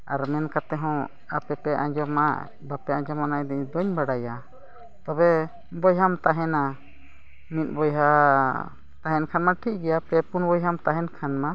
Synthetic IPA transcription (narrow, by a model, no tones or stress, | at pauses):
aɾmɛnkat̪ɛɦɔ̃ | a̰pɛpɛʔa̰ɲd͡ʒɔma̰ | bapɛad͡ʒɔmanajd̪ɛɲd̪ɔɲbaɽaja | t̪ɔbɛ | bɔjɦamt̪aɦɛna | mit̪̚ˀbɔjɦa | t̪aɦɛnkʰanmaʈʰiʔ̚ˀɡɛjapɛpunbɔjɦamt̪aɦɛnkʰanma